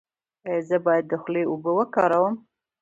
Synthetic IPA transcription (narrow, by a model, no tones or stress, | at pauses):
əzəbɑjad̪̚ːəxleubəwəkɑɾawəm